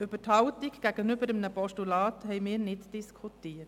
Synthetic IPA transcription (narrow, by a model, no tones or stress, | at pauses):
øb̥əthɑʊtikɡ̥æɡ̥ənʏbəɾəmnəpɔʃtulɑːthɛjmɪːɾnɪdd̥iskʰutiːət